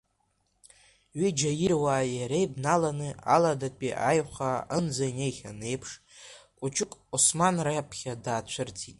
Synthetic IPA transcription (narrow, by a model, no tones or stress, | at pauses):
ɥid͡ʒajɪrwaːjaɾejbnalanɨaladapʼiʔajχaɨnd͡zajnejχʲane̞jpʰʂ | kʷʼʊt͡ʃʰʼʊkʼusmanrajapʰχʲadaːt͡ʃʷʰɨrtʰitʼ